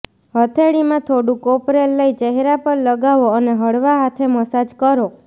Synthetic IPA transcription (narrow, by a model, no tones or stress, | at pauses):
ɦət̪ʰeɽimãt̪ʰoɽũkopɾelːəit͡ʃəɦɾapəɾləɡaʋoəneɦəɽʋaɦat̪ʰeməsad͡ʒkəɾo